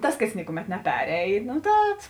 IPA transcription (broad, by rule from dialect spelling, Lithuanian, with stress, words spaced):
ˈtɐs kɐs ˈnʲɪkʊˌmʲɛt nʲɛˈpʲæːrʲɛɪn ˈtɐt